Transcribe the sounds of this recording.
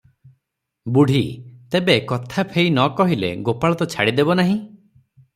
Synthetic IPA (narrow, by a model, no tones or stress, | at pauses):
buɽ̤ʱit̪ebekɔt̪ʰapʰejnɔkɔɦilḛɡopaɭɔt̪ɔt͡ʃʰa̰ɽid̪ebɔnaɦĩ